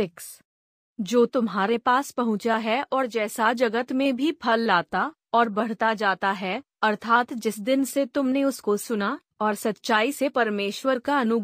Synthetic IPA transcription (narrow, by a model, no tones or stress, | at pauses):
fɪks | d͡ʒoːt̪ʊmɦaːɾepaːspɐɦʊ̃t͡ʃaɦɛʔɔːɾd͡ʒɛːsad͡ʒɐɡət̪mẽbʱipʰɐlːaːt̪a | ɔːɾbɐɽ̤t̪ad͡ʒaːt̪aɦɛ | ɐɾt̪ʰaːt̪d͡ʒɪsd̪ɪnset̪ʊmneʊskosʊna | ɔːɾsɐt̪ːʃaːisepɐɾmeːʃwəɾkaɐnʊɡ